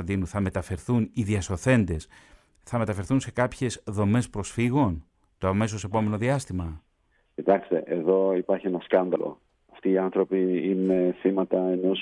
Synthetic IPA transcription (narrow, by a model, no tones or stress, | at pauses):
nd̪inuθɐme̞t̪ɐfe̞ɾθuniðiɐso̞θe̞nd̪e̞s | θɐme̞t̪ɐfeɾθunse̞kɐpçe̞sðo̞me̞spɾo̞sfiɣo̞n | t̪oɐme̞s̬o̞se̞po̞me̞no̞ðiɐst̪imɐ | cit̪ɐkst̪e̞ʔeðo̞ipɐɾçienɐskɐnd̪ɐlo̞̰ | ɐft̪iːɐnθɾo̞piine̞θimɐt̪ɐeno̞s